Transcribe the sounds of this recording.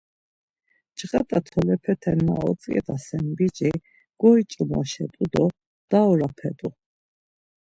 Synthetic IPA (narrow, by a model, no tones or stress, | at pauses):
t͡ʃɣat̪ʼat̪ʰɔlɛpʰɛt̪ʰɛnːa̰ɔ̰t͡sʼkʼɛ̰t̪ʼasɛnbid͡ʒi | ɡ̥ɔit͡ʃʼmɔ̰ʃɛt̪ʼud̪ɔ | d̪̥aɔɾapʰɛt̪ʼu